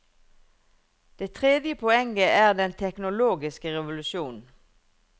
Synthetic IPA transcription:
d̪̥eːt̪ʰʁeːd̪jəpʰɔɛŋɡəæːʁd̪ɛnt̪ʰɛknʊloːɡɪskəʁɛʋʊlʉʃjuːnn̩

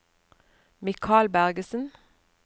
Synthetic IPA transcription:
mɪkʰɑːlbæʁɡəsn̩

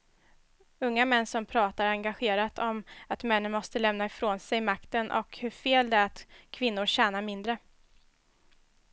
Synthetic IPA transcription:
ɵŋːamɛnːsɔmpʰɾɑːt̪aɾaŋɡaɧeːɾat̪ʰɔmat̪mɛnːənmɔst̪əlɛmnaɪfɾoːnsɛjmakt̪ənʔɔ̰khɵɾfeːld̪ɛæat̪kʰvɪnːʊɾɕæːnamɪnd̪ɾə

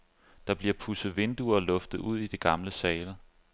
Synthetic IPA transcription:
d̥ɑ̈b̥liɐpʰusð̩ˠʋe̝nd̥uɐːlɔ̽fd̥ð̩ˠuð̞̰ˠid̥e̝ɡ̥ɑ̈mləsɛːlə

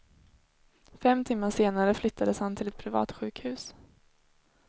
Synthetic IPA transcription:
fɛmt̪ʰɪmːaseːnaɾəflʏt̪ʰːad̪əshant̪ʰɪlɛt̪pʰɾɪvɑ̰ːt̪ɧʉ̟ːkhʉ̟ːs

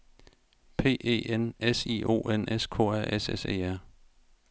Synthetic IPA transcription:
pʰe̝̰ːe̝̰ːenesḭo̝̰ːʔeneskʰo̝̰ːæɐ̰ʔesesḛːæɐ̰

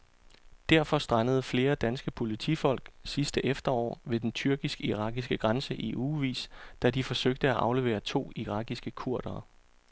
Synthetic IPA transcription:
d̥æɐ̰fɒ̽sd̥ʁɑnəð̞̩ˠfle̝ːɐd̥ænsɡ̥əpʰo̝lit͡sʰifɒ̽l̰ɡ̥sisd̥əʔefd̥ɐɒ̰ːʋe̝d̥ent͡sʰyɐɡ̥isɡ̥iʁɑ̈ːɡ̥isɡ̥əɡ̥ʁɑnsəʔiʔuːʋḭːsd̥æd̥ifɒ̽søɡ̥̚d̥əæʔɑ̈ʊle̝ʋe̝̰ːɐt͡sʰo̝̰ːiʁɑ̈ɡ̥isɡ̥əkʰuɐ̰d̥ɐː

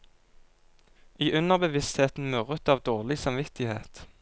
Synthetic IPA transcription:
iːʔʉnəʁbəʋɪst̪heːt̪n̩mʉʁət̪ɑːʋd̪oːʁlɪsɑmʋɪt̪ɪheːt̪

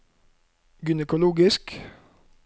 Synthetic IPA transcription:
ɡʏnɛkʊluːɡɪsk

